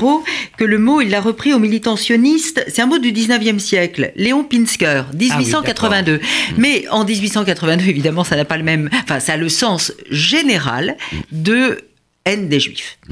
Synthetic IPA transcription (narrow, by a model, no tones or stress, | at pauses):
ʁokələmoilːaʁəpχiomilit̪ɑ̃sjɔnist̪sɛt̪ɛ̃mod̪yd̪iznəvjɛmsjɛklleɔ̃pinskʲœːʁd̪izɥisɑ̃kat̪χəvɛ̃d̪ømɛɑ̃d̪izɥisɑ̃kat̪χəvɛ̃d̪øevid̪amɑ̃sanapaləmɛmɑ̃fɛ̃saːləsɑ̃sʒeneʁa̰ld̪ə | ɛnd̪eʒɥḭf